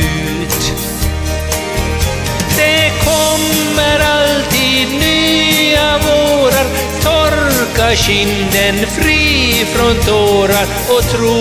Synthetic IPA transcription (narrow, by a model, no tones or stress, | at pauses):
ʉː | t̪ | d̪̥ɛkʰɔmː | əɾalt̪iːd̪nyːavoːɾaɾ | t̪ʰɔɾkaɕʏnd̪ənfɾiːfɾɔnt̪ʰoːɾaɾ | ɔt̪ʰɾuː